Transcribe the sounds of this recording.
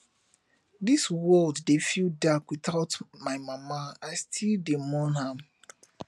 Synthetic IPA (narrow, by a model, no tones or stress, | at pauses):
diswɔldːefildakwiθaʊtmaɪmamaaɪstʰildemɔnɦam